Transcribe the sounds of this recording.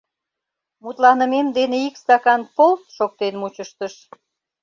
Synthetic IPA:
mut̪lɑnəmemd̪eneikst̪ɑkɑnpolt̪ʃok̚t̪enmut͡ɕəʃt̪əʃ

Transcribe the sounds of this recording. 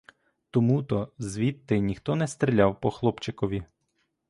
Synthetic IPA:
t̪ɔmut̪ɔzʋʲit̪ːɪnʲixt̪ɔnɛst̪ɾʲɪlʲawpɔxlˠɔpt͡ʃɪkɔʋʲi

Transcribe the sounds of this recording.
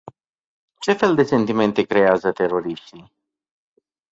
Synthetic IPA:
t͡ʃe̞fe̞ld̪e̞se̞nt̪ime̞nt̪e̞kɾe̞azət̪e̞ɾo̞ɾiʃt̪ij

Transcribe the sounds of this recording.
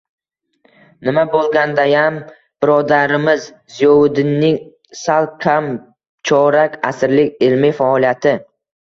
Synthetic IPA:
nɪmabolˠɡʲand̪ajam | b̥ɪɾɒd̪aɾɪmɪz | zijɒwʊd̪ɪnːɪŋ | salˠkʲʰam | t͡ʃʰɒɾakʲasɪɾlɪkʲɪlmɪfaɒlˠijat̪ʰɪ

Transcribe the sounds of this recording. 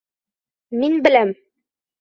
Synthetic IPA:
minbɘ̆læm

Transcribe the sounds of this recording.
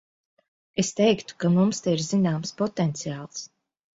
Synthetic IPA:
est̪ɛjkt̪u̥kamumst̪ɛiɾzinaːmspɔt̪ɛnt̪sijaːlˠs

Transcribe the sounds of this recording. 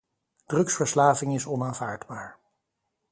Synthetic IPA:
d̥rɵksfəɹslaːvɪŋɪsɔnaːnvaːɹdbaːɹ

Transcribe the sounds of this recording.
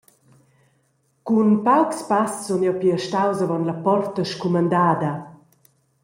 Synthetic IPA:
kunpawkspassonjawpiəʃtawzavɔnlɐpɔrt̪əʃkumand̪aːd̪ɐ

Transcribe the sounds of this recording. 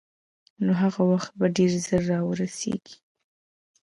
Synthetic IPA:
noɦaɣawaxt̪̚baɖeɾzəɾːɑwəɾasḛɡ̥i̥

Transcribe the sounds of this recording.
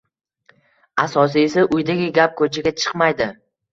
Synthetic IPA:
asɒs̬ɪesaʔʊjd̪aɡʲɪɡʲap̚kʰɵt͡ʃʰaɡʲat͡ʃʰɨ̥qmajd̪ɪ

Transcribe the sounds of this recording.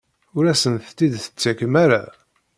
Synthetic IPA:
ʊɾæsənθt̪ːid̪θə̥t͡sːækəmæɾa

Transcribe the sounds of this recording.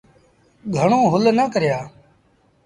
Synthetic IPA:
ɡʱəɳõːɦʊlnəkəɾjaː

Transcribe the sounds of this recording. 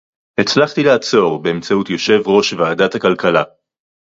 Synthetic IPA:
het͡slaχt̪ilaːt͡so̞ʁbeemt͡saut̪jo̞ʃe̞vʁo̞ʃvaːdat̪hakalkala

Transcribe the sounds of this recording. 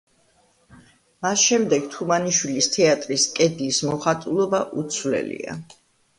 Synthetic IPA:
masʃɛmd̪ɛɡ̥t̪ʰumaniʃwilist̪ʰɛat̪ʼɾiskʼɛd̪lismɔχat̪ʼulˠɔbaʔut̪sʰwlɛ̰lḭa̰

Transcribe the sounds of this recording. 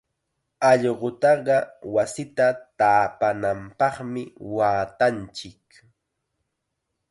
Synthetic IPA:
ɑʎɢʊt̪ɑɢɑwasɪt̪at̪aːpanampɑχmɪwaːt̪ant͡ʃɪk

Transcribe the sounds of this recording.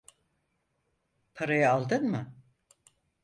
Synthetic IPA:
pʰaɾajaːlˠd̪ɯnmɯ

